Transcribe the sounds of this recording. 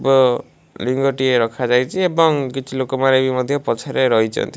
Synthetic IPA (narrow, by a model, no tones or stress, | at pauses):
bɔ | liŋɡɔʈieɾɔkʰad͡ʒajt͡ʃʰiebɔŋkit͡ʃʰilokɔmaɾebimɔd̪ʱjɔpɔt͡ʃʰaɾeɾɔɦit͡ʃʰɔ̰nt̪i